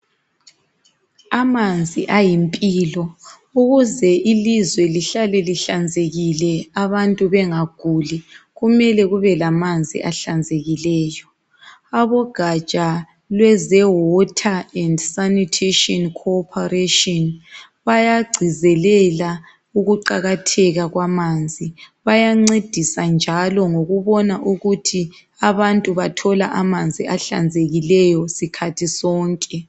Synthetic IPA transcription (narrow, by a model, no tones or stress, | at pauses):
amand͡zʱiʔajimpʼilɔ | uɣuzɛʔilizwɛliɬalɛliɬand͡zʱeɣilɛaβantʼuβɛŋaɡ̥ʱuliɣumɛlɛɣuβɛlamand͡zʱḭʔaɬand͡zʱeɣilɛːjɔ | aβɔɡ̥ʱat͡ʃʼa | lwɛzɛwɔtʰaɛndsanitʰeʃɔnkʰɔpʰɔreʃɔn | βajaɡ͡ǀʱizɛlɛla | uɣuǃaɣatʰɛɣaɣwamand͡zʱiβajaŋ͡ǀed̥ʱisand͡ʒʱalɔŋoɣuβɔnaʔuɣutʰi | aβantʼuβatʰɔlaʔamand͡zʱiʔaɬa̰nd͡zʱeɣilɛjɔsikʰatʰisɔːŋkʼɛ